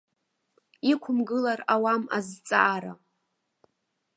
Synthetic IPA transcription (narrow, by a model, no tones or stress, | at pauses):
ikʷʰʊmɡɨlarawama̰zt͡sʼaʔːɾa